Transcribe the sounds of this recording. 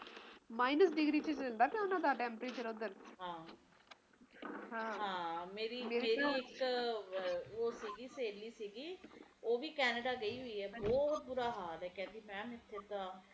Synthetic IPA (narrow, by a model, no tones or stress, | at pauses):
maːɪnəsɖɪɡɾiːt͡ʃət͡ʃəld̪aːkjãʊnãːd̪aːʈɛ̃ːmpɾeːt͡ʃəɾod̪əɾɦãː | ɦãːɦãːmeːɾiːmeːɾieːɾɪk | oːsiːɡiːseːliːsiːɡiːoːʋiːkɛːnəɖaːɡəiːɦoiːɛːbɔːɦt̪̚bʊɾaːɦaːɾɛːkɛ̃ːnd̪iːmɛ̃ːmɪt̪ʰːeːt̪ãː